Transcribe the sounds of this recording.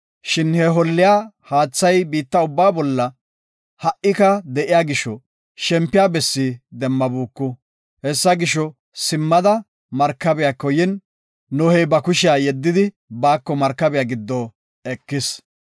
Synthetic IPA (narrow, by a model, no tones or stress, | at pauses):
ʃɪnhɛɦɔlːɪjaː | haːt͡sːɐjbiːt̪ːɐʊbːaːbɔlːɐ | hɐʔɪkɐd̪ɛʔɪjaːɡɪʃɔ | ʃɛmpːɪjaːbɛsːid̪ɛmːɐbuːkːʊ | hɛsːɐɡɪʃɔ | sɪmːɐd̪ɐ | mɐɾkːɐbɪjaːkɔjɪn | nɔhɛjbɐkʊʃɪjaːjɛd̪ːɪd̪ɪ | baːkːɔmɐɾkːɐbɪjaːɡɪd̪ːɔː | ɛkːɪs